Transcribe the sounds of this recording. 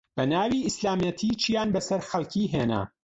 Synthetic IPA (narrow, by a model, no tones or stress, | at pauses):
b̥ɐnaːwiːɪslaːmjɐt̪ʰiːt͡ʃʰijaːnbɐsɐɾxɐlkʰiːɦeːnɐ̰